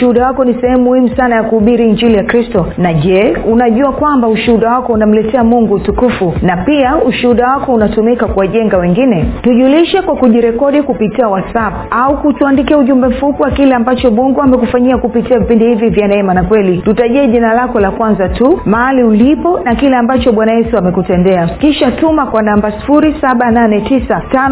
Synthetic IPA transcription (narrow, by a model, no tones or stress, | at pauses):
uhuɗawakɔnisɛhɛmumuhimusanajakuuɓiɾiːɲd͡ʒilijakɾistɔnaʄɛunaʄuakwambauʃuuɗawakɔunam̩lɛtɛamuŋɡutukufunapiauʃuuɗawakɔunatumikakuwaʄɛŋɡawɛŋɡinɛtuʄuliʃɛkwakuʄiɾɛkɔɗikupitiawasap̚aukutuandikiauʄumbɛm̩fupiwakilɛambat͡ʃɔɓuŋɡuamɛkufaɲiakupitiavipindihivivjanaɛmanakwɛlitutaʄɛɛʄinalakɔlakwanzatumaɦaliulipɔnakilɛambat͡ʃɔɓwanajɛsuamɛkutɛndɛakiʃatumakwanambasi̥fuɾisaɓananɛtisatan